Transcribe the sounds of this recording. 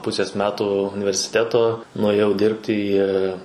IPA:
ˈpʊsʲeːs ˈmʲæːtuː ʊnʲɪʋʲɛrʲsʲɪˈtʲæːtoː nʊeːˈjɛʊ ˈdʲɪrʲpʲtʲɪ iː

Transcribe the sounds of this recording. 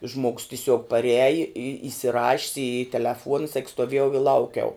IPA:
ʒmoːks tʲɪˈsʲuɔk pɐˈrʲæːjɪ ɪ ɪsʲɪˈrɑːʃʲɪs ɪ tʲɛlʲɛˈfuɔnɐ sɐk stoːˈʋʲiɛjɛʊ ɪ ˈlˠɐʊkʲɛʊ

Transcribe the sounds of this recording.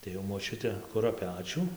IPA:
tɐɪ jɛʊ moːˈt͡ʃʲʊtʲɛ ˈkʊrɐ ˈpʲæːt͡ʃʲʊ

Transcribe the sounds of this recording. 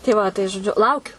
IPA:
tʲɛɪ ˈʋɐ tɐɪ ʒoːˈd͡ʒʲʊ ˈlˠɐʊkʲʊ

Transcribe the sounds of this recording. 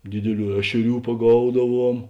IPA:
ˈdʲɪdʲɪˌlʲuː ˈæːʃʲɛˌrʲuː pɐˈɡɐʊdɐˌʋuɔm

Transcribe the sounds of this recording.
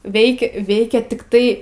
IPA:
ˈʋʲɛɪkʲɛ ˈʋʲɛɪkʲɛ tʲɪkˈtɐɪ

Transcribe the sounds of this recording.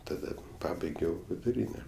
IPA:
tɐˈdɐ ˈpɑːbɐɪɡʲɛʊ ʋʲɪdʊˈrʲiːnʲɛ

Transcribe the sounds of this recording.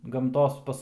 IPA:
ɡɐmˈtoːs ˈpɐs

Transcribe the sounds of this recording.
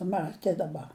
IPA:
ˈmɑːtʲeː dɐˈbɐ

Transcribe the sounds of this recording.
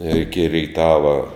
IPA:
ɪr ɪkʲɪ rʲɛɪˈtɑːʋɐ

